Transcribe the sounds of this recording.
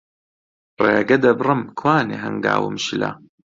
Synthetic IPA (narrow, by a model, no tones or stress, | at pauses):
reːɡɐd̪ɐbrɨmkʰwaːneɦɐŋɡa̰ːwɨ̰mʃilɐ̰